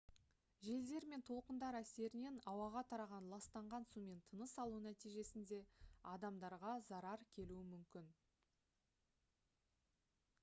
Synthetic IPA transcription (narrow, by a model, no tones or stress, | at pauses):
ʒe̞ld̪e̞ɾme̞nt̪ʰo̞lˠqənd̪ɑɾæse̞ɾɪne̞nɑwɑʁɑt̪ʰɑɾɑʁɑnlˠɑst̪ɑɴʁɑnsume̞nt̪ʰənəsɑlˠunæt̪ijʒe̞sɪnd̪e̞ɑd̪ɑmd̪ɑɾʁɑzɑɾɑɾkʲʰe̞luɪmʏmkʲɪn